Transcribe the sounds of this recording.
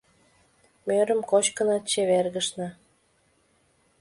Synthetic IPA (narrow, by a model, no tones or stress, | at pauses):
møɾə̆mkot͡ɕkə̆nɑt̪t͡ɕeβerɣəʃnɤ̆